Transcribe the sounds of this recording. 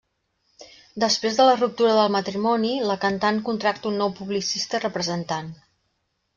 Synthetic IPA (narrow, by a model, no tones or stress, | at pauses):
d̪əspɾezðələrup̚t̪uɾəðəlˠmət̪ɾimɔniləkənt̪ankunt̪ɾak̚t̪əunːɔwpuβlisist̪ərəpɾəzənt̪an